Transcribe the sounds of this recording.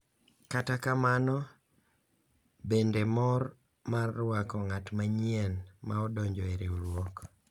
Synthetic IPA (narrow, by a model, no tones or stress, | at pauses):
katakamanɔ | bendemɔɾ | marːwakɔŋatmaɲiɛnmaɔdɔɲd͡ʒɔeɾeulwɔk